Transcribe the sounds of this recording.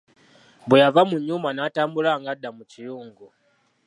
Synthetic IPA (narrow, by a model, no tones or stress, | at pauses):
bujavamuɲumanatambulaŋɡadamut͡ʃijuŋɡu